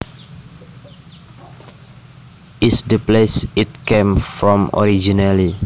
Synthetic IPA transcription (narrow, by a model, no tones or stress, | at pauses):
ɪsdəplesit̚kẽmfɹɔ̃mɔ̰ɾid͡ʒinali